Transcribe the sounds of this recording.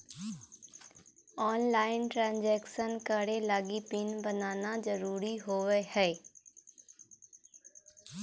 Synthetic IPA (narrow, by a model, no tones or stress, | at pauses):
ɔːnlaːɪnʈɾãːnd͡ʒɛːkʃənkəɽelaːɡipɪnbənaːnazəɾuːɾiɦoːʋehɛː